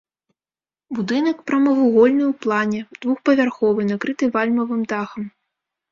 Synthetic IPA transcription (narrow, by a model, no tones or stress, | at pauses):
bud̪ɨnɐkpɾɐmɐvuɣɔlʲnɨwplˠanʲɛd̪̥vuxpɐvʲarxɔvɨnakɾɨt̪ɨvalʲmɐvɨmd̪axɐm